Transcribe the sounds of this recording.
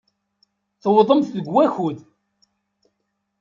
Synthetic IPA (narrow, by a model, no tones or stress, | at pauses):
θəwðˤəmθðəɡwːæçuð